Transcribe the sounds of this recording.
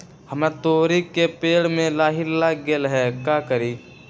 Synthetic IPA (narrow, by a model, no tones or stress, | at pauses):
həmet̪oːɾiːkːepeːɽmẽlaːɦɪɾlaɡeːlɦɛkaːkəɾiː